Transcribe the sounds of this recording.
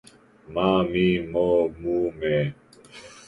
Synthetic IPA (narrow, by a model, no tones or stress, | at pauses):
mamimɔmumɛ